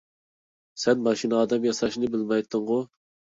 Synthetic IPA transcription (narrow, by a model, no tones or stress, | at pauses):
sɛnmɑʃinɑːd̪ɛmjɑsɑʃnɨbɪlmɑjt̪ʰːɨŋʁʊ